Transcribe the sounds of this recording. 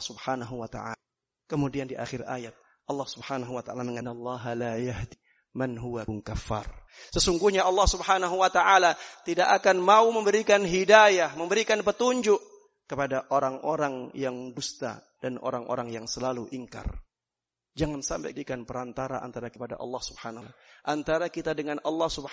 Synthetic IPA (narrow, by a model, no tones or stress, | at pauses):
subhanaɦuwat̪a̰a | kəmudiandiʔa̰xɪra̰jat̪̚ | ʔɑlːɑhsubhanaɦuwat̪aʔalaməŋanalˠːɑɦalajaɦdi | manɦuwauŋkafːa̰r | səsuŋɡuhɲaɑlːɑhsubhanaɦuwat̪aʔalat̪idaʔakanmauməmbəɾikanɦidajahməmbəɾikanpət̪uɲd͡ʒʊʔ | kːəpadaʔoɾaŋoɾaŋjaŋɡust̪a̰ | d̥anʔo̰ɾaŋʔo̰ɾaŋjaŋsəlaluʔiŋka̰r | d͡ʒaŋansampa̰jdikanpəɾant̪aɾa̰ʔa̰nt̪aɾakəpada̰ʔɑ̰lːɑhsubhanalaʔant̪aɾakit̪adəŋanʔɑlːɑhsub